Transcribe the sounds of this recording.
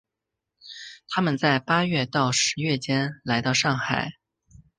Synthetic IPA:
t̪ʰa˥mə˨nt͡sa˥˩ɪpa˥ɥɛ˥˧t̪ɑ˥˩ʊʂɻ̩˧˥ɥɛ˥˩t͡ɕjɛ˥nla˧˥ɪt̪ɑ˥˧ʊʂɑ˥˩ŋxa˨˩˦ɪ

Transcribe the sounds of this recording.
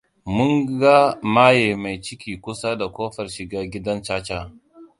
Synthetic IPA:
mʊ˦ŋɡa˦maː˦jeː˨ma˨jt͡ʃɪ˦kʲiː˨kʷʊ˦sa˦da˨kʷoː˦ɸɐ˨rʃɪ˨ɡaː˦ɡʲɪ˦dɐ˦nt͡ʃaː˦t͡ʃaː˦˨

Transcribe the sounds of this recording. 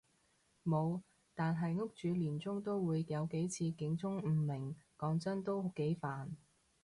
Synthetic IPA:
mo˨˧w | t̪aː˨nɦɐ˨jŋʊ˥k̚t͡ʃyː˨˧liː˨˩nt͡sʊ˥ŋt̪o˥wwuː˨˧jjɐ˨˧wke˨˥jt͡sʰiː˧kɪ˨˥ŋt͡sʊ˥ŋm̩ː˨˩mɪ˨˩ŋkɔː˨˥ŋt͡sɐ˥nt̪o˥wke˨˥jfaː˨n

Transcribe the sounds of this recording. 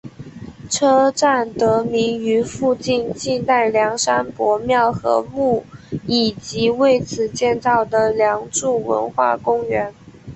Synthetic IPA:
ʈ͡ʂʰɤ˥ʈ͡ʂa˥˩nt̪ɤ˧˥mi˧˥ŋy˧˥fu˥˧t͡ɕi˥˧nt͡ɕi˥˧t̪a˥˩ɪljɑ˧˥ŋʂa˥npwɔ˧˥mjɑ˥˩ʊxɤ̰˧˥mu˥˩i˨˩t͡ɕi˧˥we˥˩ɪt͡sʰɹ̩˨˩t͡ɕjɛ˥˧nt͡sɑ˥˩ʊd̪ə˩ljɑ˧˥ŋʈ͡ʂu˥˩wə̰˧˥nxwa̰˥˩kʊ˥ŋɥɛ˧˥n

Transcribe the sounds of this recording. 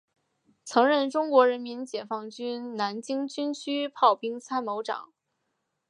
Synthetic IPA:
t͡sʰɤ˧˥ŋɻə˥˩nʈ͡ʂʊ˥ŋkwɔ˧˥ɻə˧˥nmi˧˥nt͡ɕjɛ˨˩fɑ˥˩ŋt͡ɕy˥nna˧˥nt͡ɕi˥ŋt͡ɕy˥nt͡ɕʰy˥pʰɑ˥˩ʊpi˥ŋt͡sʰa˥nmo˧˥ʊʈ͡ʂɑ̰˨˩˦ŋ

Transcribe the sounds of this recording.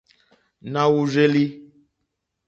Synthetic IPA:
nã˦wu˦ze˦li˦

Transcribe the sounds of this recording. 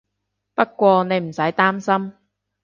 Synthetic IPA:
pɐ˥t̚kːʷɔː˧ne˨˧jm̩˨˩sɐ˨˥jt̪aː˥msɐ˥m

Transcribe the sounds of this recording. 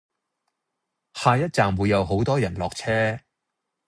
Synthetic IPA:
haː˨˧jɐ˥t̚t͡saː˨mwu˨˧jːɐ˨˧wɦo˨˥wt̪ɔː˥jɐ˨˩nlɔː˨k̚t͡sʰɛː˥

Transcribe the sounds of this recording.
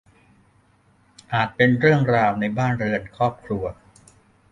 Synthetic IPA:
ʔaː˨˩t̪̚pe˧nɾɯ˥˩əŋɾaː˧wna˧jbaː˥˩nɾɯ˧ənkʰɾɔː˥˩p̚kʰɾu˧ɐ

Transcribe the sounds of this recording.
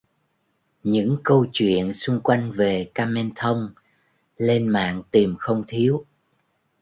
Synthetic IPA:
ɲɨ̰˧˥ŋkə˧wt͡ɕwḭ˧˨ənsʊ˧ŋ͡mkwa˧jŋ̟ve˨˩kaː˧mɛ˧nt̪ʰə˧wŋ͡m | le˧nma̰ː˧˨ŋt̪i˨˩mxə˧wŋ͡mt̪ʰi˨˦əw

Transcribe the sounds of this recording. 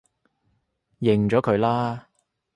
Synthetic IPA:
jɪ˨˩ŋt͡ʃɔː˨˥kʰɵ˨˧ɥlaː˥

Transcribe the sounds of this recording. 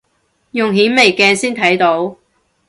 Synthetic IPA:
jʊ˨ŋɦiː˨˥nme˨˩jkɛː˧siː˥nt̪ʰɐ˨˥jt̪o˨˥w

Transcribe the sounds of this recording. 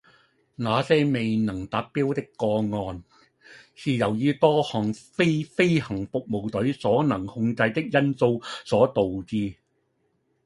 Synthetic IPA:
naː˨˧sɛː˥me˨jnɐ˨˩ŋt̪aː˨˥t̚pːiː˥wt̪ɪ˥kːɔː˧ŋɔː˧n | siː˨jɐ˨˩wjyː˧t̪ɔː˥hɔː˨˩ŋfe˥fe˥jhɐ˨˩ŋfʊ˨k̚mo˨˩wt̪ɵ˨˥ɥsɔː˨˥nɐ˨˩ŋhʊ˧ŋt͡sɐ˧jt̪ɪ˥k̚jɐ˥nso˧wsɔː˨˥t̪o˨wt͡siː˧

